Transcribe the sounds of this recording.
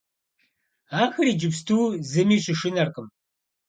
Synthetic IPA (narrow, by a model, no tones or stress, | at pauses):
aːxɨriːd͡ʒɪpstʰuːzɨmiːɕɨʂɪnɐrqəm